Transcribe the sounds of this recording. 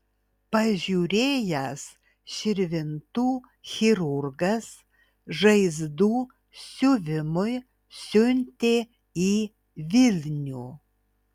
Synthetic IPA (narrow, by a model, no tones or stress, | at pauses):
pɐʒʲuːɾʲeːjɛs | ʃʲɪɾʲʋʲɪnt̪uː | xʲɪɾʊɾɡɐs | ʒɐɪzd̪uː | sʲʊʋʲɪmʊɪ | sʲʊnʲt̪ʲe | iː | ʋʲɪlʲnʲuː